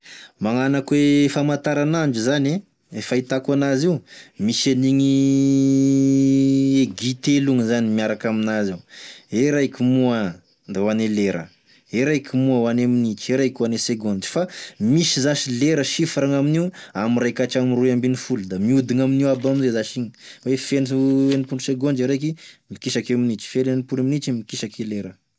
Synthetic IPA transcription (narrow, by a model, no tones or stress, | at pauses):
maŋanakwefamant̪aɾanaɳd͡ʒuzane | efait̪akuanaziwmiseniŋi | eɡit̪eluŋəzanimiaɾakaminaziweɾajkʲumuə | nd̪awaneleɾə̰ | eɾajkʲʰimuəwaneminit͡ʃeɾajkʲwaneseɡond͡ʒi̥famisizaʃileɾəʃifaɾaŋaminiwamirajkaʈ͡ʂamiruambinifulud̪amiud̪iŋaminiabaminzezaʃiŋəwefenienipunuseɡond͡ʒiɾajk̬imikiʃakeminit͡ʃi̥felenipuɾeminit͡ʃimikiʃakʰeleɾə